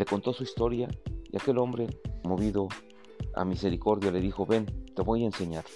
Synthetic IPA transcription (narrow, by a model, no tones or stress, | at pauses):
le̞ko̞nt̪o̞suist̪o̞ɾjaḭake̞lo̞mbɾe̞mo̞βiðo̞ | a̰mise̞ɾiko̞ɾðjale̞ðixo̞βe̞nt̪e̞βo̞jense̞ɲaɾ